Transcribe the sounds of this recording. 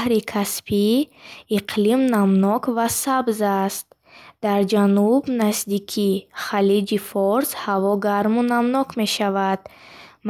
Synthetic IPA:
hɾikʰaspʰiiqʰlimnamnɔkʰvasabzast̪̚ | d̪̥aɾd͡ʒanubnazd̪ikʰiχalid͡ʒifɔɾshavɔɡaɾmunamnɔkʰme̞ʃavad̪m

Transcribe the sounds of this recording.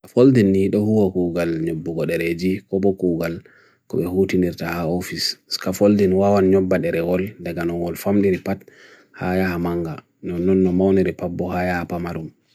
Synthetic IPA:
kafoldinːiɗɔhuwakuɡalɲobːuɡɔɗɛɾed͡ʒikɔbɔkuɡal | kɔɓɛhutiniɾtahaofiskafoldinwawanɲɔbːaɗɛɾɛwɔldaɡanɔŋɔlfamɗiɾipat | hajahamaŋɡa | nɔnːɔnːɔmawniɾipabːɔhajahapamaɾum

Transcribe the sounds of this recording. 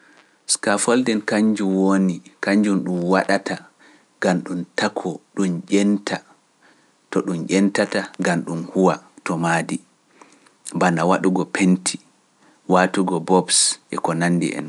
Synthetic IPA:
skafɔldɛnkaɲd͡ʒumwonikaɲd͡ʒumɗumwaɗatʰa | ɡ̥amɗumtakʰːɔɗumʄɛntʰa | tɔɗumʔʲɛntataɡanɗunhuwatɔmaːdi | banawaɗuɡɔpʰentʰi | watuɡɔbɔbsʔɛ̰kɔnanːdḭʔɛ̰n

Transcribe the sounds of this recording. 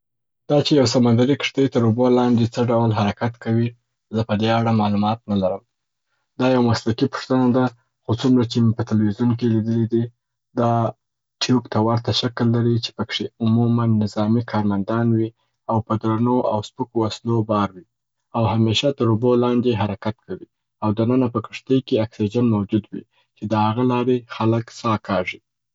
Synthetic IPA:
d̪̥ɑt͡ʃejawsamand̪aɾikʂt̪ət̪əɾubolɑnd̪et͡səɖawlɦaɾakat̪kawi | zəpəd̪eaɽamɑlumɑt̪̚nalaɾəm | d̪ɑjawamaslakipʊ̥ʂt̪ənad̪a | xot͡sumɾat͡ʃemepət̪alwizunk̬elid̪əlid̪i | d̪ɑ | ʈjukt̪ʰawaɾt̪aʃaklːaɾit͡ʃe̥pəkʂeʊmumanːɪzɑmikʰɑɾmand̪ɑnwi | awpəd̪ɾanoʔawspəkowaslobɑɾwi | awɦameʃat̪əɾubolɑnd̪eɦaɾakat̪̚kʰawi | awd̪anənapəkəʂt̪əjkeaksid͡ʒanmawd͡ʒud̪wḭ | t͡ʃed̪əhaɣalɑɾexaləksɑkɑʐi

